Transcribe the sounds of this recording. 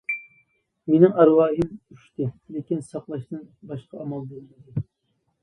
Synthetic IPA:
menɪŋɑɾwɑːɦɨmyʃt̪ɪlekʲinsɑqlˠɑʃt̪ɨnbɑʃqɑɑmɑlˠd̪ellɪd̪ɪ

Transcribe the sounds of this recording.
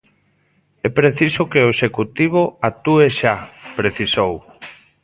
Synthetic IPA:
ɛpɾeθisʊkeoeʃekut̪iβ̞oat̪ueʃapɾeθisow

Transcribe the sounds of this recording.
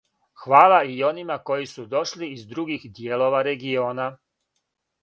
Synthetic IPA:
xʋaːlˠaio̞nimako̞jisud̪o̞ʃliːzd̪ɾuɡixd̪jeːlo̞ʋaɾe̞ɡio̞ːna

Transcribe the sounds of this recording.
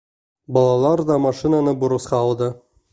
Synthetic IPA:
bɑlˠɑlˠɑɾd̪ɑmɑʃinanəbuɾɤ̆sqɑːlˠd̪ɤ

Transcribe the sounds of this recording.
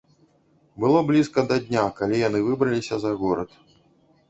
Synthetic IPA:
bɨlˠɔblʲiskɐd̪ɐd̪ʲnʲakalʲijanɨvɨbɾɐlʲisʲɐzɐɣɔɾɐt̪

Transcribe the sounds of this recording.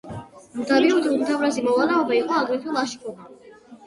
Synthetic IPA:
mud̪abiut̪ʰumut̪ʰavɾazimɔvalɛɔbaiqʼɔaɡɾit̪ʰulˠaʃkʰʼɔva

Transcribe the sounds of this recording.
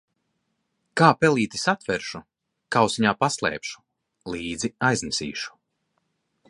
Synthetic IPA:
kaːpɛlˠiːt̪i̥sat̪vɛɾʃu | kawsiɲaːpaslˠɛ̰ːpʃu̥ | lˠiːd̪ziajznɛsḭːʃu̥

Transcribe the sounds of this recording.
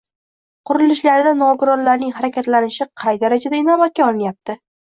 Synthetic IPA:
qʰʊɾɪlɪʃlaɾɪd̪anɒɡʊɾɒɾlaɾnɪŋɦaɾakʲʰat̪lanɪʃɪqʰɑjd̪aɾad͡ʒad̪aɪnɒbat̪̚kʲaɒlˠɪnjap̚t̪ʰɪ

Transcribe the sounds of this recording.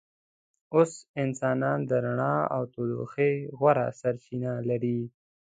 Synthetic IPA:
osɪnsɑnɑnd̪əɾaɳɑa̰wt̪od̪o̰xeɣwaɾa̰saɾt͡ʃinalaɾi

